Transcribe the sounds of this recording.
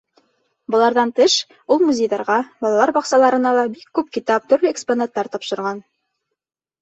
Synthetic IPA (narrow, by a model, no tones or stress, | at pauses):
bɤ̆lˠɑɾðɑnt̪ɘʃ | ulˠmuzʲejðɑɾʁɑbɒlˠɑlˠɑɾbɑqsɑlˠɑɾɤ̆nɑlˠɑbikːʉpkit̪ɑp̚t̪ɵ̆ɾlɵeksponat̪ːɑɾt̪ɒpʃɤ̆ɾʁɑn